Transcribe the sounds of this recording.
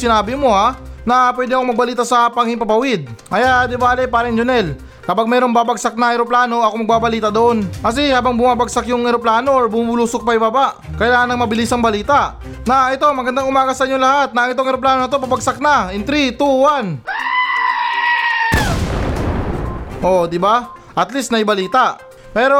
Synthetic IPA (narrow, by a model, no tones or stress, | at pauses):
sɪnaːbɪmo̞hanɐp̬wɛːd̪ɪŋɐkomɐɡ̚bɐliːt̪asɐpɐŋhɪŋpɐpɐwɪd̪̚ʔɐjad̪ɪbaːlɛpaːɾɐnd͡ʒonɛl | kɐpaɡ̚mɛɾo̞ŋbaːbɐɡsak̚nɐŋhɛɾoplaːno̞ʔɐkomɐɡ̚baːbɐliːt̪ɐd̪oʔo̞nkɐs̬ɛhaːbɐŋbʊmaːbɐɡsakjʊŋɛɾoplaːnoʔoɹbumuluːsʊk̚pɐjbabaʔ | kɐjlaːŋɐnɐŋmɐbɪlisɐŋbɐliːt̪aʔ | naʔɛt̪o̞mɐɡɐnd̪aŋʊmaːɡasɐʔiɲːoŋlɐhat̪̚nɐɐŋɪt̪oŋɛɾoplaːnoɐt̪̬o̞pabɐɡsak̚nɐɛnt̪ɾit̪uwan | ʔo̞d̪ɪba | ʔɐt̪list̪nɐɪbɐliːt̪aʔ | pɛːɾo̞